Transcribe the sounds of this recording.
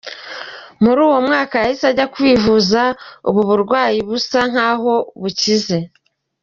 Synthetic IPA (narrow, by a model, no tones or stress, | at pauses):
muɾuːwo̞mŋaːkajahisaɟakwiːvuzaṵβuβuɾɡwaːjiβusan̥haːɦo̞βucize̞